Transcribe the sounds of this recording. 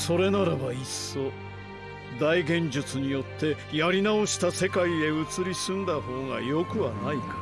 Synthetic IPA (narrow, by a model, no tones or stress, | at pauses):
so̞ɾe̞naɾabaisːo̞ | d̪aiɡẽ̞ɲd͡ʑɨt͡sɨɲ̟ijo̞t̪ʰːe̞jaɾʲinao̞ɕi̥t̪ase̞kaie̞ɯ̟t͡sɨɾʲisɨ̃nd̪aho̞ːɡa̰jo̞kɯ̟βanaikḁ